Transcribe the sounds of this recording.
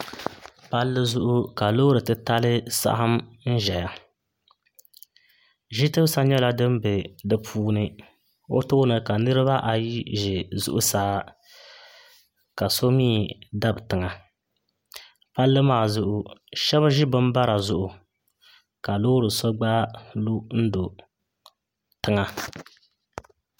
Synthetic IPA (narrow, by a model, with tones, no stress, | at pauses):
pa˦lːɨ˦zʊ˦ʔʊ˦ka˨loː˦ɾɨ˨tɨ˦ta˦lɨ˦sa̰˦hɨ˦mn̩˦ʒɛ˨ja˨ | ʒi˦tɨ˦bsa˦ɲɛ˦la˦dɨ˦m˦be˨dɨ˦pʰuː˦nɨ˦ | o̰˦tʊ˦nɨ˨ka˨nɨ˦ɾɨ˦ba˦ʔa˨ji˦ʒɪ˨zʊ̰˦ʔʊ˦saː˦ | ka˨so˦miː˦˨da˦bɨ˨tɨ˨ŋa˨ | pa˦lːɨ˦maː˦˨zʊ˦ʔʊ˦ʃɛ˦βɨ˦ʒɪ˦bɨ˦m˦ba˦ɾa˨zʊ˦ʔʊ˨ | ka˨loː˦ɾɨ˨so˦ɡ͡baː˦lu˦n̩˦do˨ | tɨ˦ŋa˦